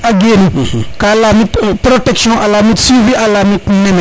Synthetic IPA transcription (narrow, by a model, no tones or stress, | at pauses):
aɡenĩkalamitpɾotɛksjɔ̃ʔalamĩtsivialamĩkũmɛ̃nã